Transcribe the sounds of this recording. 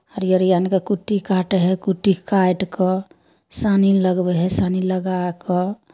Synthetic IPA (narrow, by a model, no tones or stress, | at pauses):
ɔɾjəɾjankekuʈːikaʈɦekuʈːikaʈkɔ | saniləɡbɛɦɛsaniləɡakɔ